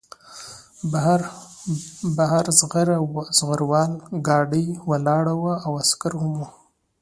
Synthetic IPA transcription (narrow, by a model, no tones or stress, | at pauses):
bɾ | baɦaɾzɣaɾawz̥ɣaɾwɑlɡɑɖəjwalɑɽawaawaskaɾhʊmu